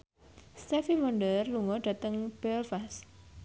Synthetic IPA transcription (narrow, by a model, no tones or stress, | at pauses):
st̪ɛfiwɔɳɖərluŋɔɖ̥ä̤t̪əŋb̥ɛlfas